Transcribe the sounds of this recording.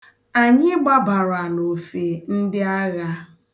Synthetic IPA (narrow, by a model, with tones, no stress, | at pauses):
a˨ɲɪ˦ɡ͡ba˦ba˨ɾa˨no˨fe˨n̩˦dɪ˦a˦ɣa˦